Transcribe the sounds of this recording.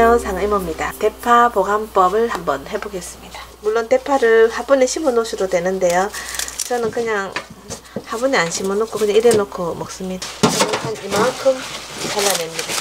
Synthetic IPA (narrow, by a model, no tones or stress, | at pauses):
ʌŋsʰaŋimʌmɲidate̞pʰapoɡamp͈ʌbɯɭhambʌnhe̞boɡe̞s͈ɯmɲid̥amuɭːonte̞pʰaɾɯɭhabuneɕʰimɯnosʰidodwe̞nɯnde̞jot͡ɕʌnɯnkɯɲaŋ | habuneanɕʰimɯnok͈ʰokɯɲaŋiɾenokʰomok̚s͈ɯmɲidat͡ɕʌnɯnhanimaŋkʰɯmkaɭːanwemɲida